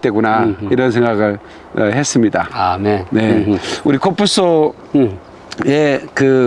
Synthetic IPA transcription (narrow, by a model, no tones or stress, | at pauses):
t͈we̞ɡunaiɾʌns̬ʰe̞ŋɡaɡɯɭ | ʌhe̞s͈ɯmɲidaamene̞uɾikʰop͈ʰus͈o | ekɯ